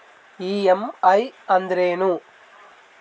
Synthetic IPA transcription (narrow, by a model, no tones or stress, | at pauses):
iːemɐjɐnd̪ɾeːnu